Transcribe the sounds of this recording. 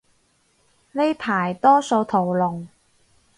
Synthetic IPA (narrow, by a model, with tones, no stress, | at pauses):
ne˥jp̪ʰaː˨˩jt̪ɔː˥so˧wt̪ʰo˨˩wlʊ˨˩ŋ